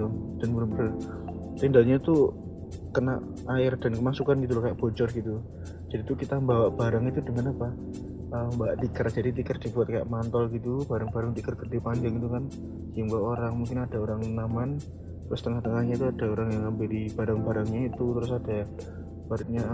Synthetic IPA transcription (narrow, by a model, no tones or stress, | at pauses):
ud̥anbəɾbɾ | t̪indalɲat̪u | kəna̰ʔ | aɪrd̥ankəmasukanɡit̪̬ulahkajaʔb̥od͡ʒɔrɡit̪u | d͡ʒadit̪ukit̪ambawaʔb̥aɾaŋit̪udəŋanapa | ʔəːmbaʔt̪ikərd͡ʒadit̪ikərd̥ibuat̪̚kaja̰ʔmant̪ɔlɡit̪ub̥aɾaŋbaɾaŋt̪ikərɡərdipaɲd͡ʒaŋit̪ukan | jaŋbaaʔoɾaŋmuŋkɪnad̥aoɾaŋnaman | t̪ɾʊst̪əŋaht̪əŋahɲat̪uad̥aoɾaŋjaŋampɪdib̥aɾaŋbaɾaŋɲait̪ut̪əɾʊsad̥a | baɾɪt̪̚ɲa